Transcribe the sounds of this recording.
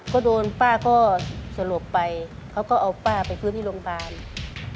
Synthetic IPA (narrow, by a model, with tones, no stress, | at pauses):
kɔː˧˥˩doː˧npaː˥˩kɔː˥˩sa˧lo˨˧˩pːa˧j | kʰa˧˩wkɔː˧˥˩ʔa˨˧wpaː˥˩pa˨jpʰɯ˧˥˨t̪ʰiː˥˨lo˧ŋpʰaː˧n